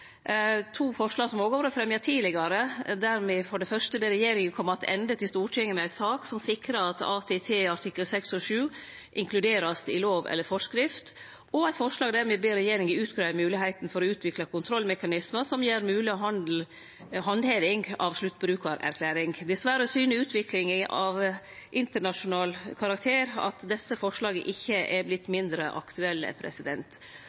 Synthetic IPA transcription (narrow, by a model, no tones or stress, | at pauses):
t̪ʰuːfɔʂlɑːɡsɔmoːɡoːʋɾəfɾɛmjɑtʰiːlɪɡɑɾəd̪æɾmɛːfɔɖɛfœʂʈəbeːɾɛjeːɾɪŋənkʰɔmːɑt̪ʰɛ̰nd̪ət̪ʰɪlst̪uːʈʰɛŋːənæɪt̪sɑːksɔmsɪkɾəɑt̪ɑ̰ːt̪ʰɛt̪ʰeːɑʈʰɪkːəlsɛksɔʂʉː | ʔɪŋkʰlʉd̪eːɾɑsd̪ɪloːʋɛ̰lːəɾfɔʂkɾɪft̪ | ɔæɪt̪fɔʂlɑːɡd̪æːɾmɛbeːɾɛjeːɾɪŋəʉːt̪ɡɾɑːmʉːlɪhæɪt̪n̩fɔɾɔʉːt̪ʰʋɪklɑkʊnt̪ʰɾɔlmɛkɑnɪsməsɔmjeːɾmʉːlɪɦɑn | ɦɑnd̪heːʋɪŋɡɑ̰ʋʂlʉt̪ːbɾʉːkɑɾæ̰ɾkʰlæːɾɪŋd̪ɛsʋæɾəɔsyːnəʉːt̪ʰʋɪklɪŋəʔɑʋ | ʔɪnt̪əɳɑʂʊnɑːlkʰɑɾɑk̚t̪ʰeːɾɑ̰t̪d̪ɛsːəfɔʂlɑːɡə̰ʔɪçːəʔɛɾblɪt̪ːmɪnd̪ɾəʔɑ̰kt̪ʉɛlːɛ̰pʰɾɛ̰sɪd̪ɛnt̪